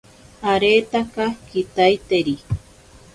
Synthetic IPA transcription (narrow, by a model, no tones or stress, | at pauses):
aɾet̪akakit̪ajt̪eɾi